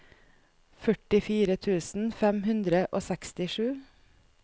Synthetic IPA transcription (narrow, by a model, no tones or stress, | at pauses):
fœʈɪfiːɾət̪ʰʉːsn̩fɛmhʉnd̪ɾəʔoːsɛkst̪ɪʃʉː